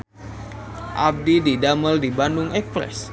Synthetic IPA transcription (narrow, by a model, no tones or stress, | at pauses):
ʔab̚dididaməldibandʊŋʔɛkspɾɛ̰s